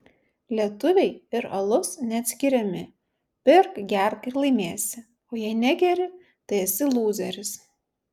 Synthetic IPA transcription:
lʲiɛt̪ʊʋʲɛɪɪɾɐlˠʊsnʲɛɐt̪ʲsʲkʲɪɾʲɛmʲɪ | pʲɪɾkɡʲæɾkɪɾlˠɐɪmʲeːsʲɪ | oːjɛɪnʲæɡʲɛɾʲɪ | t̪ɐɪɐsʲɪlˠuːzʲɛɾʲɪs

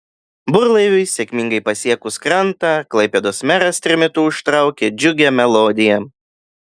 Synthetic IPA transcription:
bʊɾlˠɐɪʋʲʊɪsʲɛkʲmʲɪŋɡɐɪpɐsʲiɛkʊskɾɐnt̪ɑklˠɐɪpʲɛd̪osmʲæɾɐst̪ʲɾʲɪmʲɪt̪uːʊʃt̪ɾɐˑʊkʲeːd͡ʒʲʊɡʲɛmʲɛlˠoːd̪ʲɪjɛ

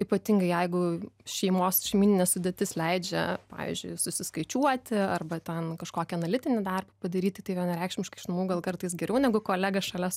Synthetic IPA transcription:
ipɐt̪ʲɪŋɡɐɪjɛɪɡʊʃʲɛɪmoːsʃʲɛɪmʲiːnʲɪnʲeːsʊd̪ʲet̪ʲɪslʲɛɪd͡ʒʲɛ̰pɑ̰ːʋʲḭːzʲd͡ʒʲʊɪsʊsʲɪskɐɪt͡ʃʲuɔt̪ʲɪɐrbɐt̪ʲɛnkɐʃkoːkʲɛɐnɐlʲɪt̪ʲɪnʲɪd̪ɐrbɐpɐd̪ɐɾʲiːt̪ʲɪt̪ɐɪʋʲiɛnɐɾʲɛɪkʃʲmʲɪʃkɐɪʃnɐmuːɡɐlˠkɐrt̪ɐɪsɡʲɛɾʲɛʊnʲɛɡʊkoːlʲæːɡɐsʃɐlʲɛs

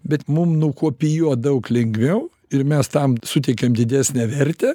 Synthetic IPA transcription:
bʲɛt̪mʊmnʊkuɔpʲɪjuɔd̪ɐʊklʲɛŋɡʋʲɛʊ | ɪɾmʲɛst̪ɐmsʊt̪ʲɛɪkʲemd̪ʲɪd̪ʲæːsʲnʲæʋʲɛrʲt̪ʲɛː

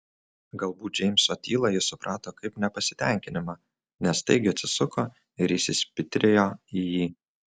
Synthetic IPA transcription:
ɡɐlˠbuːt̪̚ʲd͡ʒʲɛɪmʲsɐt̪ʲiːlˠɐjɪsʊpɾʔɑːt̪oːkɐɪpnʲɛpɐsʲɪ̥t̪ʲɛˑŋʲkʲɪnʲɪmɑː | nʲɛst̪ɐ̰ɪɡʲɪɐt̪ʲsʲɪsʊkoː | ɪɾɪsʲɪsʲpʲɪt̪ʲɾʲeːjoːijiː

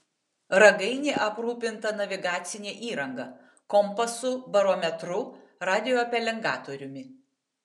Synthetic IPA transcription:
ɾɐɡɐɪnʲeːʔɐpɾuːpʲɪnt̪ɐnɐʋʲɪɡɑːt̪sʲɪnʲeːʔiːɾɐŋɡɐ | kɔmpɐsʊbɐɾoːmʲɛt̪ɾʊ | ɾɑːd̪ʲɪjoːɐpʲɛlʲɛŋɡɑːt̪oːɾʲʊmʲɪ

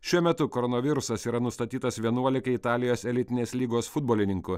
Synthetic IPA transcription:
ʃʲuɔmʲɛt̪ʊkɔɾɔnɐʋʲɪɾʊsɐsiːɾɐnʊst̪ɐt̪ʲiːt̪ɐsʋʲiɛnuɔlʲɪkɐɪt̪ɑːlʲɪjoːsɛlʲɪt̪ʲɪnʲeːslʲiːɡoːsfʊd̪boːlʲɪnʲɪŋkʊ

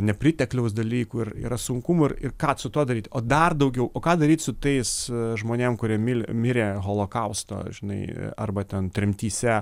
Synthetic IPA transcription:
nʲɛpʲrʲɪt̪ʲɛklʲɛʊsd̪ɐlʲiːkuːɪrḭɾɐsʊŋkʊmuɪrɪrkɑːsʊt̪uɔd̪ɐɾʲiːt̪ʲoːd̪ɐrd̪ɐʊɡʲɛʊoːkɑːd̪ɐɾʲiːt̪ʲsʊt̪ɐɪsʒmoːnʲeːmkʊɾʲiɛmʲɪlʲmʲɪɾʲeːɣoːlˠoːkɐʊst̪o̰ːʒʲɪnɐɪɐrbɐt̪ʲɛnt̪ʲɾʲɪmʲt̪ʲiːsʲɛ

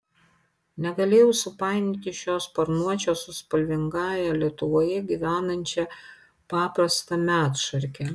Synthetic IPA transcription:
nʲɛɡɐlʲeːjɛʊsʊpɑˑɪnʲɪt̪ʲɪʃʲoːspɐɾnuɔt͡ʃʲoːsʊspɐlʲʋʲɪŋɡɑːjælʲiɛt̪ʊʋoːjɛɡʲiʋʲæːnɐnʲt͡ʃʲɛ | pɑːpɾɐst̪ɐmʲæːt̪ʃɐɾʲkʲɛ

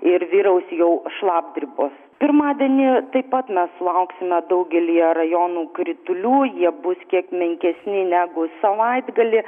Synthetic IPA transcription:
ɪɾʋʲiːɾɐʊsʲjɛʊʃlˠɑːb̚d̪ʲɾʲɪboːs | pʲɪrmɑːd̪ʲiɛnʲɪt̪ɐɪppɐt̪mʲɛslˠɐʊksʲɪmʲɛd̪ɐʊɡʲɛlʲijɛrɐjoːnuːkɾʲɪt̪ʊlʲuːjiɛbʊskʲiɛkmʲɛŋʲkʲɛsʲnʲɪnʲæːɡʊsɐʋɐɪd̪ɡɐlʲɪ

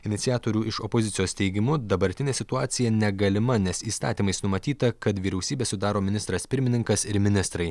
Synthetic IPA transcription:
ɪnʲɪt̪sʲɪjæːt̪oːɾʲuːʔɪʃɔpozʲɪtsʲɪjoːst̪ʲɛɪɡʲɪmʊd̪ɐbɐɾʲt̪ʲɪnʲeːsʲɪt̪ʊɑːt̪sʲɪjɛnʲɛɡɐlʲɪmɐnʲɛsiːst̪ɑ̰ːt̪ʲiːmɐɪsnʊmɐt̪ʲiːt̪ɐkɐt̪ʋʲiːɾʲɛʊsʲiːbʲeːsʊd̪ɑːɾoːmʲɪnʲɪst̪ɾɐspʲɪɾʲmʲɪnʲɪŋkɐsɪɾmʲɪnʲɪst̪ɾɐɪ

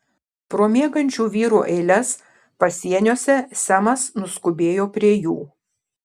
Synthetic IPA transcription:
pɾoːmʲeːɡɐnʲt͡ʃʲuːʋʲiːɾuːʔɛɪlʲɛs | pɐsʲiɛnʲoːsʲɛsʲæmɐsnʊskʊbʲeːjoːpʲɾʲiɛjṵː

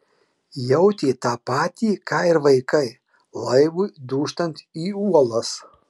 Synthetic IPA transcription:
jɛʊt̪ʲeːt̪ɑːpɑːt̪ʲiːkɑːɪɾʋɐɪkɐɪ | lˠɐɪʋʊjd̪uːʃt̪ɐnʲt̪ʲiːuɔlˠɐs

